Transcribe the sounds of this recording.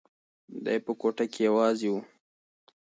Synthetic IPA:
d̪ɑ̰jpəkoʈakejawɑzewu

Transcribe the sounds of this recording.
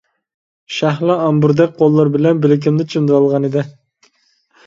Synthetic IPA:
ʃæɦlˠɑɑmbuɾd̪ɛk̚ʲqʰolˠːɑɾbɪlɛnbɪlɪk̬ʲimd̪ɪt͡ʃʰimd̪ɑlˠʁɑnid̪ɪ

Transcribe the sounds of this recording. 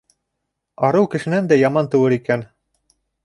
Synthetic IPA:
ɑɾɤwkɘ̆ʃɘ̆nænd̪æjɑmɑnt̪ɤ̆wɤɾikæn

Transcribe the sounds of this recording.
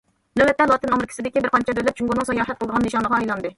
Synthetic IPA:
lɛwɛt̪ːɛlˠɑt̪ɨnɑmɾkʲʰsɪd̪ɪkʲibɪɾqʰɑnt͡ʃʰɛd̪ølɛp̚t͡ʃʰuŋɡunɨŋsɑjɑːɦɛt̪qʰəlˠd̪ʁɑnːɨʃɑnlˠəʁɑɑjlˠɑnd̪ɨ

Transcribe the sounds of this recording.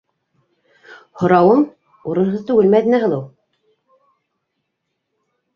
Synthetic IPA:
hŏɾɑwɤɴ | uɾɤ̆nɦɤðt̪ʉɡɘlmæðɘ̆næɦɤ̆lˠɤw

